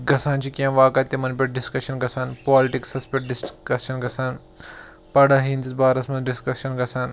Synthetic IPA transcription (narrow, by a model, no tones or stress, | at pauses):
ɡɐsaːnt͡ʃʰikiɐ̃mʋaːkɐt̪ːimɐnpʲɐʈ̚ɖiskɐʃɐnɡɐsaːnpaːlɪʈiksɐspʲɐʈ̚ɖiskɐsɐnɡɐsaːn | pɐɽɐɦiːnt͡sisbaːɾɐsmɐnɖiskɐsɐnɡɐsaːn